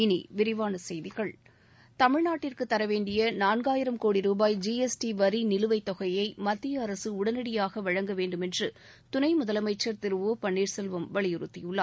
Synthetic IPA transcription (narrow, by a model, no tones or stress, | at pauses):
ɪnḭʋɪɾɪʋaːnɐsɛjðɪɣɐɭ | t̪ɐmɪɻnaːʈːɪrkɯt̪ːɐɾɐʋeːɳɖɪjɐnaːnɡaːjɪɾɐmkoːɽiɾuːbaːjd͡ʒiɛsʈiʋɐɾinɪlɯʋɐɪt̪ːɔɣɐjɐɪmɐt̪ːɪjɐːɾɐsɯʊɽɐnɪɽɪjaːɣɐʋɐɻɐŋɡɐʋeːɳɖɯmɛndrɯ | t̪ʊnɐɪmʊðɐlɐmɐɪt͡ʃːɐɾt̪ɪɾɯʋoːpɐɳːiːɾsɛlʋɐmʋɐɭɪjɯɾɯt̪ːɪjɯɭːaː